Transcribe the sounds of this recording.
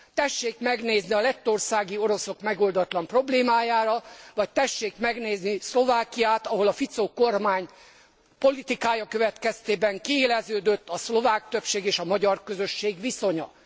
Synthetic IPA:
t̪ɛʃːeːkmɛɡneːzniɒlɛt̪ːo̞rsaːɡio̞ɾo̞so̞kmɛɡo̞ld̪ɒt̪lɒmpro̞bleːmaːjaːɾɒvɒc̚t̪ɛʃːeːkmɛɡneːznislo̞vaːkijaːt̪ɒɦo̞lɒfit̪soko̞rmaːɲ | po̞lit̪ikaːjɒkø̞vɛt̪kɛst̪eːbɛŋkieːlɛzøːd̪ø̞t̪ːɒslo̞vaːk̚t̪ø̞pʃeːɡeːʃɒmɒɟɒrkø̞zø̞ʃːeːɡʋiso̞ɲɒ̰

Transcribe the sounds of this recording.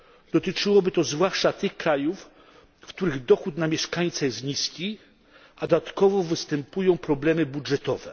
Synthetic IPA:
d̪ɔt̪ɘt͡ʂɘwɔbɘt̪ɔzvwaʂt͡ʂat̪ɘxkɾajuf | kt̪uɾɘɣd̪ɔxut̪namʲjɛʂkaɲt̪sajɛst̪ɲiskʲi | ad̪ɔd̪at̪kɔvɔvɘst̪ɛmpujɔ̃w̃pɾɔblɛmɘbudʐɛt̪ɔvɛ̰

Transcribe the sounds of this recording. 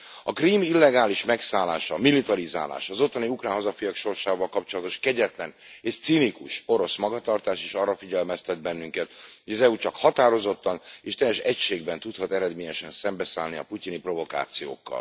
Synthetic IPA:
ɒkriːmilːɛɡaːliʃmɛksaːla̰ːʃɒmilit̪ɒɾiza̰ːla̰ːʃɒzo̞t̪ːɒniukraːnɦɒzɒfijɒkʃo̞rʃaːvɒlkɒpt͡ʃo̞lɒt̪o̞ʃkɛɟɛt̪lɛneːʃt̪sinikuʃo̞ɾo̞smɒɡɒt̪ɒrt̪aːʃeːʃɒrːɒfiɟɛlmɛst̪ɛd̪̚bɛnːyŋkɛt̪hoɟɒzɛut͡ʃɒkhɒt̪aːɾo̞zo̞t̪ːɒneːʃt̪ɛjɛʃɛcʃeːɡbɛnt̪ut̪hɒt̪ɛɾɛd̪meːɲɛʃɛnsɛmbɛsaːlniɒ̰pucinipro̞vo̞ka̰ːt̪sijo̰ːkːɒ̰l

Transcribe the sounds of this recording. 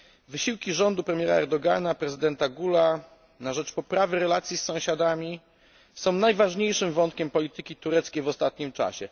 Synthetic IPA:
vɘɕiwkʲiʐɔnd̪upɾɛmʲjɛɾaɛɾd̪ɔɡanapɾɛzɘd̪ɛnt̪aɡula | naʐɛt͡ʂpɔpɾavɘɾɛlat̪sʲjisːɔ̃w̃ɕad̪amʲi | sɔ̃w̃najvaʐɲejʂɘmvɔnt̪̚kʲɛmpɔlʲit̪ɘkʲit̪uɾɛt̪skʲejvɔst̪at̪̚ɲimt͡ʂa̰ɕɛ

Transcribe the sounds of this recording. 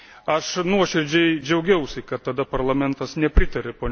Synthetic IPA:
ɐʃnuɔʃʲɪɾʲd͡ʒʲɛɪd͡ʒʲɛʊɡʲɛʊsʲɪkɐt̪tːɐd̪ɐpɐɾlˠɐmʲɛnt̪ɐsnʲɛpʲɾʲɪt̪ɐɾʲɪpoːnʲ

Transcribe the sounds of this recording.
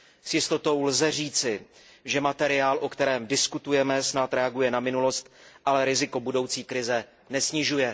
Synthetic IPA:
sjɪst̪o̞t̪o̞wlzɛr̝iːt͡sɪ | ʒɛmat̪ɛɾɪaːlʔokt̪ɛɾɛːmdɪskut̪ujɛmɛsnat̪ɾɛaɡujɛnamɪnulo̞st̪ʔalɛɾɪzɪko̞budo̞wt͡siːkɾɪzɛ | nɛsɲɪʒujɛ

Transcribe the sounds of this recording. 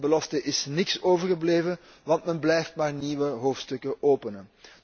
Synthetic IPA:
bəlɔftəʔɪsnɪksoːvərɣəbleːvən | ʋɑntmɛnblɛjftmaːrniːʋəɦoːftstɵkəʔoːpənən

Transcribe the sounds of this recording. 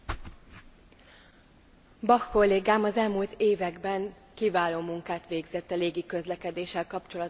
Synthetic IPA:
bɒkko̞lːeːɡaːmɒzɛlmult̪eːvɛɡbɛŋ | kivaːloːmuŋkaːt̪ʋeːɡzɛt̪ːɒleːɡikø̞zlɛkɛd̪eːʃːɛlkɒpt͡ʃo̞lɒt̪

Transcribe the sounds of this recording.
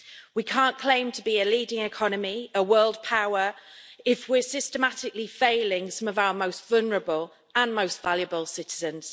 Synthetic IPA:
wikʰɑ̃ˑnkʰl̥ẽɪ̃mtʰəbiəliːdɪ̃ŋɪkʰɒnəmiəwɜːlˠd̚pʰaʊəɹɪfwɪəsɪstəmatɪklifeɪlɪ̃ŋsʌ̃məvaʊəmoʊstv̥ʌlˠnəɹəbəl | ə̃nmoʊstv̥aljəbəlˠsɪtɪzə̃nz̥

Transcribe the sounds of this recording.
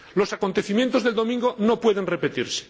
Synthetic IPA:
lo̞sako̞nt̪e̞θimjent̪o̞zðeld̪o̞mĩŋɡo̞no̞pwe̞ðe̞nre̞pe̞t̪iɾse̥

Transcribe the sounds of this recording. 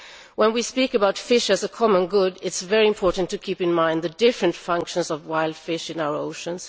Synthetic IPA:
wə̃nwispikɨbaʊtfɪʃɨzəkʰɑmə̃nɡʊdɪtsvɛɹiɨ̃mpʰɔɹʔn̩tʰɨkʰipɨ̃nmãɪ̃nd̪ðɨdɪfɹɨ̃ntfʌ̃ŋkʃə̃nsʌvwaɪlˠd̥fɪʃɨ̃naʊə˞oʊʃə̃ns

